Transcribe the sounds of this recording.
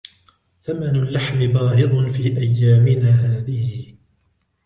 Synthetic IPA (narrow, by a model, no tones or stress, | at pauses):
θamanalːaħmɪbɑːhɨd̪ˤfiːʔajːaːmɪnaːɦaːðɪhɪ